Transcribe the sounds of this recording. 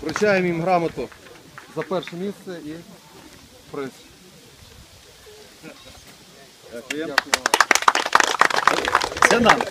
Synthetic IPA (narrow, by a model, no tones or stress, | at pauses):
pɾʊt͡ʃajemimɦɾɑmɐt̪ʊ | zɐpɛrʃɛmʲist̪sɛi | pɾɛsʲ | sɛnɑm